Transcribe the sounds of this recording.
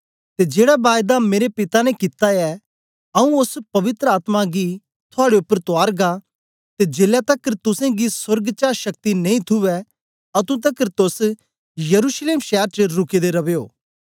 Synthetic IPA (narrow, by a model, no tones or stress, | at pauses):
t̪ed͡ʒeːɽabaːjd̪ameːɾepɪt̪anɛ̃kɪt̪aɛ | ɐũʊspɐʋɪt̪ɾəaːt̪maɡi | t̪ʰʊaːɽeʊpːəɾt̪ʊaːɾɡa | t̪ed͡ʒeːljat̪ɐkəɾt̪ʊsẽɡisɐɾɡt͡ʃaːʃɐk̚t̪inɐĩt̪ʰʊʋɛ | ɐt̪ũt̪̬ɐkəɾt̪ʊs | jɐɾuːʃleːmʃɛːɾt͡ʃəɾʊked̪eɾɐʋeːoː